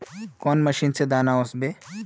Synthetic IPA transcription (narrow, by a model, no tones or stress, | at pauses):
kɔːnmɐʃiːnsed̪aːnaosbe